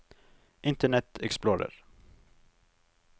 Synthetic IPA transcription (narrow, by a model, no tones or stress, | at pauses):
ʔɪnt̪əɳɛt̪ɛ̰ksploːɾə̰ɾ